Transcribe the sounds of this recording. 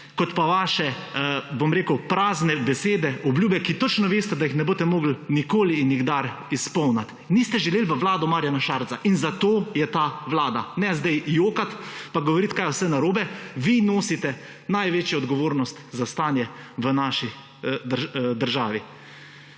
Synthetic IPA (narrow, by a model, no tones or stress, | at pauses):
kɔt̪paʋaːʃɛbomɾeːkəwpɾaːznɛbɛseːd̪ɛʔɔbljuːbɛkit̪ɔt͡ʃnɔʋeːst̪ɛd̪ajixnɛboːt̪ɛmoːɡlnikoːliːnjiɡd̪aɾ | ispɔwnat̪ | nist̪ɛʒɛleːlʋəʋlaːd̪ɔmaːɾjanaʃaɾt̪saʔinzat̪oːjɛt̪aʋlaːd̪a̰nɛzd̪ɛjjoːkat̪paɡɔʋɔɾiːt̪kajɔwsɛnaɾoːbɛʋinoːsit̪ɛ | najʋeːt͡ʃjɔɔd̪ɡɔʋoːɾnɔst̪zast̪aːnjɛʋənaʃi | d̪d̪əɾʒaːʋi